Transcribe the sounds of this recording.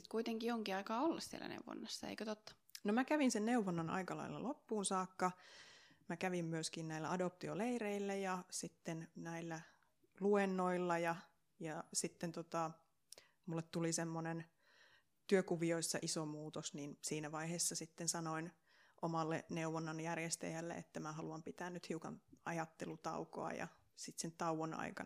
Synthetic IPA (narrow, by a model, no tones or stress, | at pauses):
i̥t̪̚kuit̪eŋkioŋkiɑikɑːolːɑssiḛlæ̰nḛuwʋo̰nːɑsːɑḛikøt̪ot̪ːɑ̥ | nomækæʋinsenneuʋonːɑnʔɑ̰ikɑlɑ̰ilːɑ̰lʔopːuːnsɑːkːɑ | mækæʋimmyøskinnæilːˑæɑdop̚t̪ioleireilːæjɑsit̪ːennæilːæ | luenːoilːɑjɑ | jɑsit̪ːent̪ot̪ɑ | mulːet̪t̪ulisemːonen | t̪yøkuʋioisːɑʔisomuːt̪osniːnsiːnæʋɑiheːsːɑsit̪ːensɑnoin | ʔomɑlːḛneuʋonːɑnjærjest̪æ̰jælːḛḛt̪ːæmæhɑluɑmpit̪æːnnyt̪hiukɑ̰nɑjɑt̪ːelut̪ɑ̰uko̰ɑ̰jɑ̰ | sit̪sentt̪ɑuʋonɑ̰ikɑ